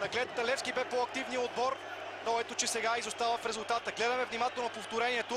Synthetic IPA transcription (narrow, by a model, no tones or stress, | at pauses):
nɐɡlɛt̪t̪ɐlɛfskʲibɛpoɐk̚t̪ivniəod̪̚bɔɾ | k̪ɔɛt̪ot͡ʃɛsɛɡaizost̪avɐfɾɛzʊlˠt̪at̪əɡlɛd̪ɐmɛvnimat̪ɛlˠnopoft̪ʊɾɛniɛt̪o